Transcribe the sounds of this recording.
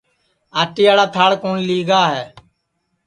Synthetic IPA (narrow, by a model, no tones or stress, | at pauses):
aːʈiːaːɽaːt̪ʰaːɽkoːnliːɡaːɦɛː